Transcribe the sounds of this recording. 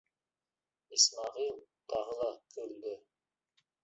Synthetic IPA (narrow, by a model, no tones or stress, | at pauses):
ismɑʁilˠt̪ʰɑʁəd̪ˠɑkʰɵld̪ɵ